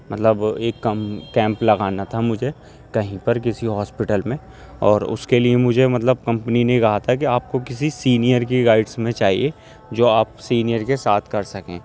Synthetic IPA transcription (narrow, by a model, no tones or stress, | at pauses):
mɐt̪ləbeːkːɐmkɛ̃ːmplɐɣaːnat̪ʰamʊd͡ʒʱe | kɐɦĩpɐɾk̬ɪsiɦɔːspɪʈəlmẽ | ɔːɾʊ̰skeliemʊd͡ʒʱemɐt̪ləb̚kɐ̃mpninekɐɦat̪ʰakiaːp̚kokɪsisiːnijəɾkiɡaːɪɖsmẽt͡ʃaːɦḭe | d͡ʒoːaːpsiːnijəɾkesaːt̪ʰkɐɾsɐkḛ̃ː